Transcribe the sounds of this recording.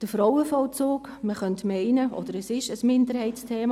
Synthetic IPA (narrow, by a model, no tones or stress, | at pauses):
d̥əfɾɔwəfɔlt͡soːk | məχœntmɛɪnəʔɔ̰d̥əɾəsɪʃəsmɪndəɾhɛɪtt͡stʰeːmɑ